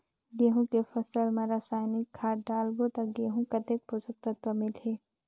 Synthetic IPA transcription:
ɡeːɦũkepʰəsəlmɐɾasaːjnikʰːaːɖaːlɡot̪ɐɡeːɦũkɐt̪ek̚posək̚t̪ɐt̪wəmɪlɦe

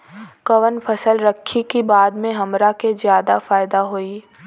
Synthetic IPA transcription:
kɐʋənpʰɐsəlɾɐkʰːikibaːd̪mẽɦɐmɾakezjaːd̪afaːɪd̪aɦoiː

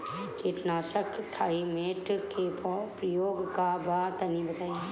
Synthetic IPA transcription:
keːʈnaːʃəkt̪ʰaːimeːʈkepɾəjoːɡkabaːt̪ɐnĩbət̪aːi

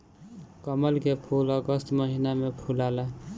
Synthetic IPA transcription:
kəməlkepʰuləɡəst̪məɦinamepʰulala

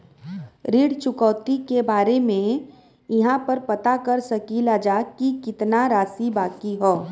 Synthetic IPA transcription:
ɾiːɽt͡ʃʊkɔːt̪ikebaːɾemẽ | jɪɦãpɐɾpɐt̪akɐɾsɐkilaːd͡ʒakikɪt̪naɾaːsibaːkiɦoː

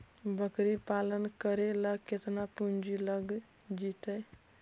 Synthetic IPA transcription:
bəkɾipalənkəɾeləɡ̚ket̪napund͡ʒiləɡ | d͡ʒit̪əj

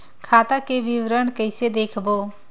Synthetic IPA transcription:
kʰaːt̪akeʋɪʋɾəɳkəɪsed̪eːkʰboː

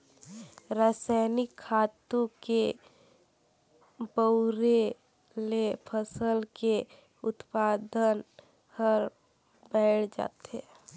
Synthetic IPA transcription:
ɾaːsaɪnɪkʰːaːt̪õke | bəɾe | lepʰəsəlke | ʊt̪paːd̪ən | həɾ | bɛɪʈʰd͡ʒa̰ːt̪ɦe

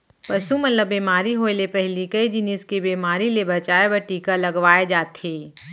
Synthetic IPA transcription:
pɐsumɐt̪ləbːiːmaːɾiɦoelepɛɦlikɐid͡ʒɪnɪskebiːmaːɾilebɐt͡ʃaːebɐʈiːkalɐɡʋaːed͡ʒaːt̪ʰeː

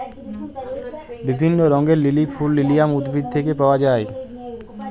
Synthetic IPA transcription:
bibʱinːoɾɔŋɡeɾlilipʰulːilijamud̪bʱid̪̚t̪ʰekepaoad͡ʒaːe

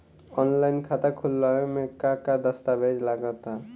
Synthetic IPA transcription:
ɔnlajnkʰat̪akʰulːɔemekːakad̪əst̪abed͡ʒlaɡat̪a

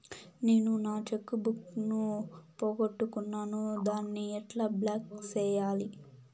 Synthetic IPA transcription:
ne̞ːnunaːt͡ʃekːubuknupoːɡoʈːukunːaːnud̪aːnːiɛʈlablaːkt͡ʃɛːjaːli

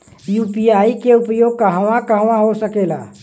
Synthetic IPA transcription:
juːpiaːikeʊpjoːɡ̚kɐɦʋãkɐɦʋãɦosəkeːla̰ː

